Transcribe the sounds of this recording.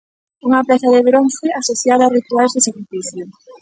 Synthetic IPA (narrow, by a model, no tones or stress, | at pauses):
uŋɐpɛθɐðeβɾonθeasoθjaðaːrit̪ualzðesakɾifiθjo